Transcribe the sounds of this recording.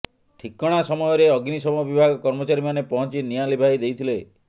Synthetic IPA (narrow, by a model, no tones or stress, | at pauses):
ʈʰikɔɽ̃asɔmɔjɔɾeɔɡnisɔbɔbibʱaɡɔkɔɾmɔt͡ʃaɾimanepɔɦɔ̃t͡ʃinijalibʱaid̪ejt̪ʰile